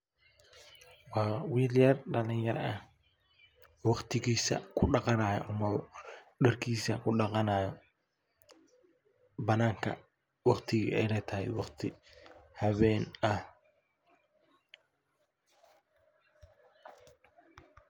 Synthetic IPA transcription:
wɑːwiːljɐrɖɐlɪŋjɐɾɐɐh | wɑqt̪ʰɪɣiːsɐ̰kʰʊɖɑqɑnaːjɔ̰ʔʊmɐðɔ | ɖɐrkʰiːsɐkʰʊɖɑqɑnaːjɔ | bɐnaːŋkʰɐ̰ | wɑqt̪ʰɪɣḭʔɛjlɛt̪ʰɐhɛ̰jwɑqt̪ʰɪhɐβɛːnɐh

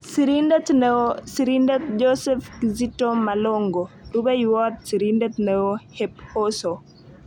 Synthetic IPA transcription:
siɾindet̪neosiɾindet̪d͡ʒosɛfkizitomaloŋɡoɾubejwɔt̪̚siɾindet̪neohep̚hoso

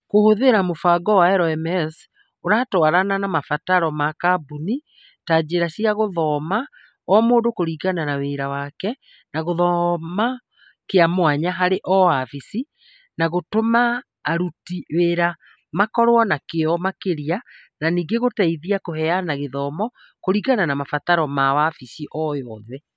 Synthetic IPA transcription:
kohoðeɾamofaɡɔwaɛɾɔɛmɛs | oɾaːtɔaɾananamafataɾɔmakabuni | taːd͡ʑeɾasiaɣoðɔːma | ɔmoːndokoɾiːɣananaweɾawakɛ | naɣoðɔma | keamwaɲaɦaɾeʔɔafisi | naɣotomaː | ɾutiweɾa | makɔɾwɔnakeɔmakeɾia | naniːɡeɣotaiðiakohɛanaɣeðɔːmɔ | koɾiɣananamafataɾɔmawafisiʔɔjɔðɛ

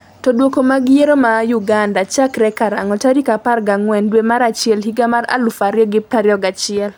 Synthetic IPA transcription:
tɔdwokomaɡɪjeɾomajuɡandat͡ʃakɾɛkaɾa̰ŋɔtaɾikaparɡaŋwɛndwemaɾat͡ʃɪɛlhiɡamaɾa̰lʊfaɾjɔɡɪpaɾjɔɡat͡ʃɪɛl

